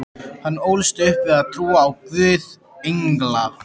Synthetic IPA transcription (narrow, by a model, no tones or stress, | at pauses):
hanːoːwlst̪ʏʏhpvɪðaðt̪ʰɾuːaːwpvʏːð | eŋkla